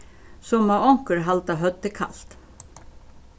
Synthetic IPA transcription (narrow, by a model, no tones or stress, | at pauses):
sɔmːɑɔŋkəɹɦalt̪ɑɦœt̪ːəkʰa̰lt̪